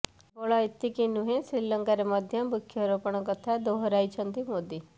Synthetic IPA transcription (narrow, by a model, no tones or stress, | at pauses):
bɔɭɔet̪ikinuɦẽsɾilɔŋkaɾemɔd̪ʱjʌbukʰːjɔɾopɔɽ̃ɔkɔt̪ʰad̪oɦɔɾajt͡ʃʰɔnt̪imod̪i